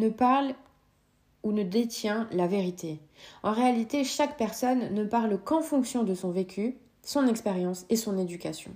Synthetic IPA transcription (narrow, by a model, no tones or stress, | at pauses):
nəpaʁl | unəd̪et̪jɛ̃laveʁit̪ʰeɑ̃ʁealit̪eʃakpɛʁsɔnːəpaʁlkɑ̃fɔ̃ksjɔ̃d̪əsɔ̃vekʲy | sɔ̃nɛkspeʁjɑ̃sesɔ̃ned̪ykʲasjɔ̰̃